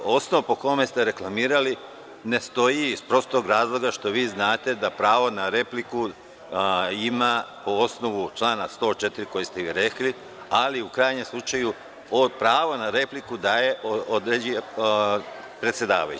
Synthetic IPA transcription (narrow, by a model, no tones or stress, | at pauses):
o̞snoʋpo̞ko̞me̞st̪e̞ɾe̞klˠamiːɾali | ne̞st̪o̞jiːspɾo̞st̪o̞ːɡɾaːzlˠo̞ɡaʃt̪o̞ʋiːznaːt̪e̞d̪apɾaːʋonaɾe̞pliku | imapoosno̞ʋut͡ʃlˠaːnast̪o̞ːt͡ʃe̞t̪iɾiko̞jest̪eʋiɾe̞kli | aliukɾaːjɲemslˠut͡ʃaju | opɾaːʋonaɾe̞plikud̪aːje̞ʔod̪ɾed͡ʑije | pɾet̪sʲje̞d̪a̰ːʋa̰jṵ